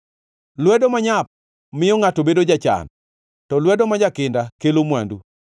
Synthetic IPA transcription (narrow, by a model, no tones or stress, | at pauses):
lwɛdomaɲap̚ | mɪjɔŋatobedod͡ʒat͡ʃa̰n | tɔlwɛdomad͡ʒakɪndakelomwandṵ